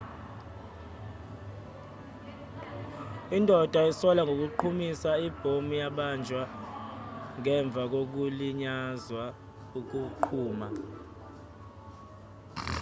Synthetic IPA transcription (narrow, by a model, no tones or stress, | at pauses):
indʱɔd̥ʱaisɔlaŋɡʱok̬uǃʰumisaib̥ʱomujaɓand͡ʒʱwa | ŋɛɱb̪vʱak̬ok̬uliɲazwa | uk̬uǃʰuːma